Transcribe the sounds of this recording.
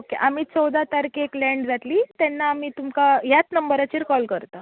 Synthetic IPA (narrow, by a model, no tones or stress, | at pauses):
okeʔam̤iːt͡sɔwd̪at̪aɾkeklɛ̃ɳɖd͡zat̪liːt̪ɛnːaːmiːt̪umkaɦjat͡snəmbəɾat͡ɕiːɾkɔlkəɾt̪a